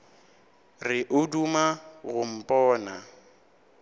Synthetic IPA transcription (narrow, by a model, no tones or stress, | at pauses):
rɪʔʊdumaɣʊm̩pʼɔːna